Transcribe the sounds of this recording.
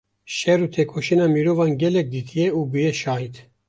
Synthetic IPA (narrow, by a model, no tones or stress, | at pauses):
ʃɛɾut̪ʰɛkʰɔʃinamiɾɔvɑnɡɛlɛk̚d̪it̪ʰijɛubijɛʃaɦit̪ʰ